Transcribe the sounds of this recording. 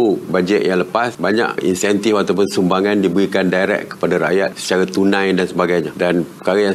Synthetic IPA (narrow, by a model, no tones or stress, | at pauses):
ubad͡ʒɛt̪jaŋləpasbaɲã̰ʔḭnsɛnt̪ifat̪awpʊnsumbaŋãndibəɾikandajɾɛ̰kːə̥padaɾa̰ʔjat̪̚sə̥t͡ʃaɾat̪unãjdansəbaɡajɲadanpə̥kaɾaja